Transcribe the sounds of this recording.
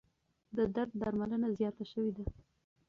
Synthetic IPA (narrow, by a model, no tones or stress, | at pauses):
d̪əd̪aɾd̪̚ːaɾmalənazjɑt̪aʃəwed̪a